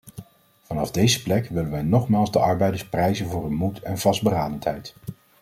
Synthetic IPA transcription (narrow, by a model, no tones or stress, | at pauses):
v̥ɑnɑvdejzəplɛkʋɪlənʋɛjnɔχmaːlˠzdəʔɑɹbɛjdəɹsprɛjzənvʊːrənmutɛnvɑsd̚bəraːdəntɦɛjt